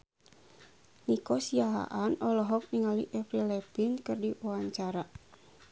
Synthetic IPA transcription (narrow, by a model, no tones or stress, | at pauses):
nikɔsiaɦa̰ʔanɔlɔɦɔk̚niŋaliʔɛfɾilɛpinkɨrdiuaɲt͡ʃaɾa